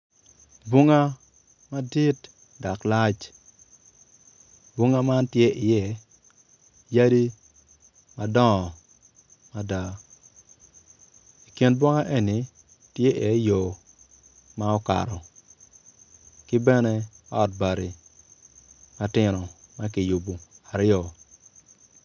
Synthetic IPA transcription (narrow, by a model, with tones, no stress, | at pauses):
bu˦ŋa˦ | ma˦di˦t | da˨kla˦t͡ʃ | bwu˦ŋa˦ma˦ntje˦ɪ˨jɛ˦ | ja˦di˦ | ma˦dɔ˦˨ | ma˦da˨ | i˨ki˨nbwo˦ŋa˦ʔe˦ni˨ | tje˦ʔɛ˦jo˨ | ma˦ɔ˦ka̰˨ɾɔ˨ | kɪ˦bɛ˦nɛ˦ɔ˦˨t̚ba˨ɾi˨ | ma˦tɪ˦nɔ˨ma˦kɪ˨ju˨bu˨a˨ɾɪ˦ɔ˨